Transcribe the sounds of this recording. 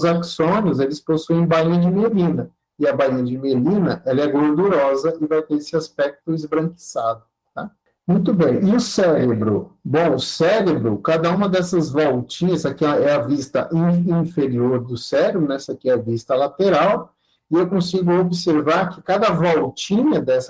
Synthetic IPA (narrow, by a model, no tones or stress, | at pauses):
zaksõniʊzelɪsposuẽj̃baĩɲɐd͡ʒɪmelĩnɐ | ɪɐbaiɲɐd͡ʒɪmelĩnɐʔɛlɐɛɡoɾd̪uɾɔzɐɪvajt̪eɾesɪaspɛk̚t̪ʊɪzbɾɐ̃ŋki̥sad̪ʊ | t̪a | mũj̃t̪ʊbẽj̃ɪʊsɛɾebɾʊbõw̃ʊsɛɾebɾʊkad̪ɐũmɐd̪ɛsɐzvɔwt͡ʃĩɲɐsakiɛɐvist̪ɐ̰ʔĩĩfeɾioɾd̪ʊsɛɾebɾʊnɛsakɪɛɐvist̪ɐlat̪eɾaw | ɪewkõsiɡʊobɪseɾvaɾkɪkad̪ɐvɔwt͡ʃĩɲɐd̪ɛsɐ